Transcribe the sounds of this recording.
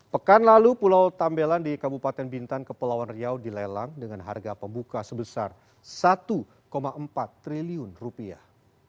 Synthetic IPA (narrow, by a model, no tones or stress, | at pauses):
pəkanlalupulawt̪ambelandikabupat̪ɛnbint̪ankəpəlawanriawdilɛlaŋdəŋanɦa̰rɡapəmbukasəbəsar | sat̪u | komaəmpat̪ːɾiliʊnrupia̰h